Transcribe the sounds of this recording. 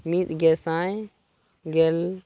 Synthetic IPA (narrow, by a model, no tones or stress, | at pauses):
mit̪ɡɛsãj | ɡɛl